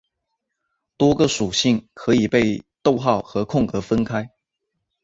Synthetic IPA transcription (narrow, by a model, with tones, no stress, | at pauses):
t̪wɔ˥ɡə˨ʂu˨˩ɕi˥˩ŋkʰɤ˨˧˥i˨˩pe˥˧ɪt̪o˥˧ʊxɑ˥˨ʊxɤ˨˦kʰʊ˥˩ŋkɤ˧˥fə˦nkʰa˥ɪ